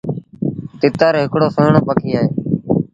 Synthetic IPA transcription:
t̪ɪt̪əɾɦɪkɽoːsənɳoːpəkʰiːaːɦeː

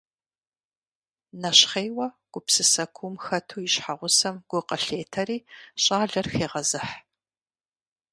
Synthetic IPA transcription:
nɐɕχeːwɐɡ̥ʷʊpsɨsɐkʷʰumxɐtʰuːjɪɕħaʁʷʊsɐmɡ̥ʷʊqɐɬeːtʰɐɾiːɕʼaːɮɐrxeːʁɐzɨħ

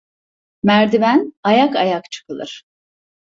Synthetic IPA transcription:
mæɾd̪imænajakajakt͡ʃʰɯ̥kʰɯlˠɯ̰ɾ̥

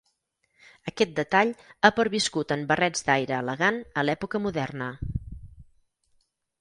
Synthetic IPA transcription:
əkɛt̪̚d̪ət̪aʎapəɾβiskut̪əmbərɛd͡zd̪ajɾəːləɣanəlɛpukəmuðɛrnə

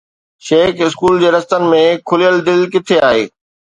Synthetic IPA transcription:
ʃeːkɪskuːld͡ʑeːɾɐst̪ənɪ̆mẽkʰʊlijəld̪ɪlkɪt̪ʰeaːɦeː

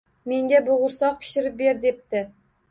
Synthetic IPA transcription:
me̞ŋɡʲabʊʁʊɾsɒq̚pʰɪ̥ʃɪɾɪp̚be̞ɾd̪e̞p̚t̪ɪ

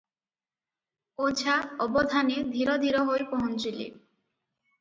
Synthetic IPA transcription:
od͡ʑʰʱaɔbod̪ʱaned̪ʱiɾod̪ʱiɾoɦojpɔɦont͡ɕilḭ

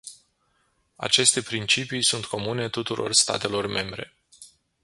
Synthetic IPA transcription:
a̰t͡ʃe̞st̪e̞pɾint͡ʃipijsunt̪ko̞mune̞t̪ut̪uɾʔo̞̰rst̪a̰t̪e̞lo̞rme̞mbɾe̞̰

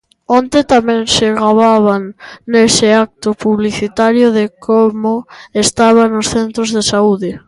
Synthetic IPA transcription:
ont̪et̪amɛ̃ŋsɪɣɾaβaβ̞aŋːesɪak̚t̪ʊpuβliθit̪aɾjʊðɪkʰomʊest̪aβ̞anʊsθent̪ɾʊzðesauðɪ

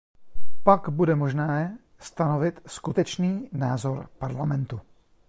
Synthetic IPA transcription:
paɡbudɛmoʒnɛː | st̪ano̞vɪt̪skut̪ɛt͡ʃniːnaːzo̞ɾpaɾlamɛnt̪u

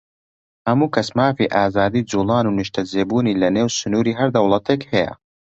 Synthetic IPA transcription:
hɐmuːkʰɐsmaːfiʔaːzaːd̪iːd͡zuːlˠɑːnuːnɨʃt̪ʰɐd͡zeːbuːniːlɐneːwsʊnuːɾiːɦɐɾd̪ɐwlˠɐt̪ʰeːkhɛjɐ̰

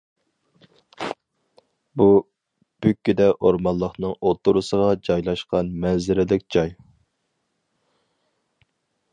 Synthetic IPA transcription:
bu | b̥ykʲːyd̪ɛʔoɾmɑlˠːəχnɨŋot̪ʰːuɾusəʁɑd͡ʒɑjlˠɑʃqɑnmɛnzɪɾɪlɪkʲd͡ʒɑj

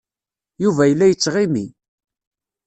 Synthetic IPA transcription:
juvæjəlːæjət͡sːʁimi

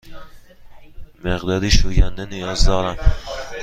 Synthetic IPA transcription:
meʁd̪ɒːɾiʃoɡʲand̪anijɒzd̪ɒːɾæm

